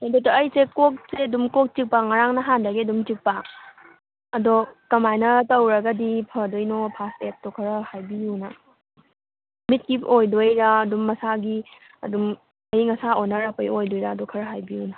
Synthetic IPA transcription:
ɐdotɐːjsekok̚seɐdumkok̚t͡ʃik̚paŋaɾaŋnɐɦandɐɡeɐdumtik̚pa | ɐdokɐmajnɐtɐwɾɐɡɐdipʰɐdojnopʰastet̚tɔkʰɐɾɐhajbiunɐ | mit̚kiojdojɾaːdumːɐsaɡi | ɐdum | ɐjŋɐsaonːɐɾapɐjojdojɾaːdɔkʰɐɾɐɦajbijuna

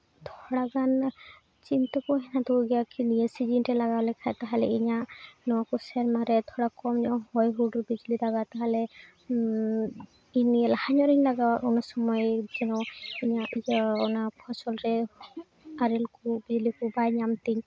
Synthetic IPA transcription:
t̪ʰɔɽaɡan | t͡ʃint̪ɔkɔɦɛnad̪ɔɡɛjakʰiniəsid͡ʒinʈɛlaɡawlɛkʰat̪aɦalɛ̰iɲaʔnɔwakɔsɛɾmaɾɛt̪ʰɔɽakɔmɲɔɔhɔjɦuɖɾbid͡ʒlidaɡat̪aɦalɛ | inlahaɲɔɾiɲlaɡawɔnasɔmɔjd͡ʒɛnɔiɲaʔiɔnapʰɔsɔlɾɛ | aɾɛlkubid͡ʒlikubajɲamt̪iɲ

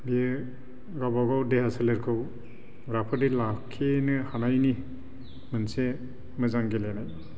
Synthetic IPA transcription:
biɯ | ɡabaɡawdehasaleɾkʰɯw | ɡɾapʰɯdilakʰːenɯhanajni | mɯnse | mɯzaŋɡelenaj

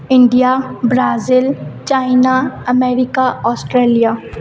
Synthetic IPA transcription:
ɪ̃ɳɖijabɾaːzɪlt͡ʃaːɪnaɐmeːɾɪkaʔɔːsʈɾeːlijaː

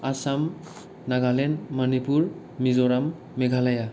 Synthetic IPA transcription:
asam | naɡalenmanipuɾ | mizɔɾamː | eɡʱalaja

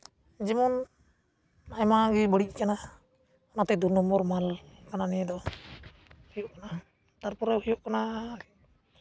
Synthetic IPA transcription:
d͡ʒɛmɔn | ajmaɡɛbəɽic̚kana | ɔnat̪ɛd̪unɔmbɔɾmalkananɛjɛd̪ɔ | hijɔʔkana | t̪aɾpɔɾɛhijɔʔkana

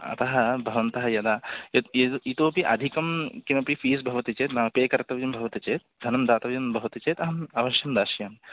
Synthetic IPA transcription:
ɐ̰t̪ɐɦɐbʱɐʋɐnt̪ɐɦɐjɐd̪aː | it̪oːpiʔɐ̰d̪ʱikɐmkimɐpifiːsbʱɐʋɐt̪it͡ʃeːt̪naːpeːkɐɾt̪ɐʋɐjɐmbʱɐʋɐt̪it͡ʃeːt̪̚d̪ʱɐnɐmd̪aːt̪ɐʋɐjɐmbʱɐʋɐt̪it͡ʃeːt̪ɐɦɐmɐʋɐʃjɐmd̪aːʃjaːm

